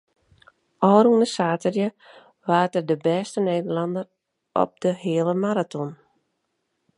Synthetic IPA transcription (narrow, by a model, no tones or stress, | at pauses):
ɔːɾuŋnəsaːtərjə | ʋaːtərdəbɛːstəneːdərlɑndər | ʔɔ̰p̚dəhɪəlˠəmaɾatɔn